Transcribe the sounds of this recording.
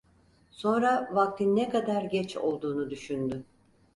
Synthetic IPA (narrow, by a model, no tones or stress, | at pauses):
so̞nɾavak̚t̪ʰinːɛkad̪aɾɟɛt͡ʃo̞̰lˠd̪uːnud̪yʃynd̪y